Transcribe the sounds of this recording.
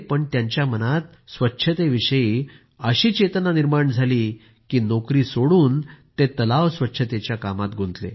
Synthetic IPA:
pəɳt̪jãɲt͡ɕjamənat̪ | sʋətːɕʰət̪eʋiɕəiː | əɕiːt͡ɕet̪ənaniɾmaɳd͡zʱaliː | kiːnokɾiːsoɽuːnt̪et̪əlaʋsʋətːɕʰət̪et͡ɕjakamat̪ɡʱunt̪lḛ

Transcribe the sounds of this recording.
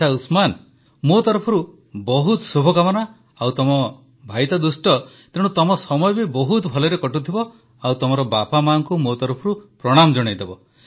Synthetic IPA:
ausman | mot̪ɔɾɔpʰɔɾu | bɔɦut̪subʱɔkamɔna | awt̪ɔmɔ | bʱajt̪ɔd̪usʈɔ | t̪eɽ̃ut̪ɔmɔsɔmɔjɔbibɔɦut̪bʱɔlɔɾekɔʈut̪ʰibɔ | awt̪ɔmɔɾɔbapamaɔŋkumot̪ɔɾɔpʰɔɾupɾɔɽ̃amɔd͡ʒɔɽ̃ejd̪ebɔ

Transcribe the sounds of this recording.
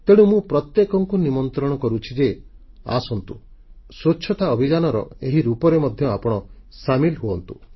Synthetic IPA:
t̪eɽ̃ũmũpɾɔt̪jekɔŋkunimɔnt̪ɾɔɽ̃ɔkɔɾut͡ʃʰid͡ʒe | a̰sɔnt̪u | sot͡ʃʰʃʰɔt̪aɔbʱid͡ʒanɔɾɔ̰eɦiɾupɔɾemɔd̪ʱjɔapɔɽ̃ɔ | samilɦuɔnt̪u̥

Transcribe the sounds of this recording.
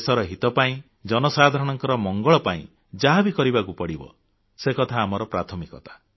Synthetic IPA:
sɔɾɔɦit̪ɔpaĩ | d͡ʒɔnɔsad̪ʱaɾɔɽ̃ɔŋkɔɾɔmɔŋɡɔɭɔpaḭ̃ | d͡ʒaɦabikɔɾibakupɔɽibɔ̰ | sekɔt̪ʰaːmɔɾɔpɾat̪ʰɔmikɔt̪ḁ

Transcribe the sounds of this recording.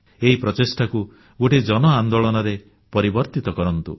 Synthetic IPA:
eɦipɾɔt͡ʃesʈʰaku | ɡoʈed͡ʒɔnɔand̪oɭɔnɔɾe | pɔɾibɔɾt̪it̪ɔkɔɾɔnt̪ṵ

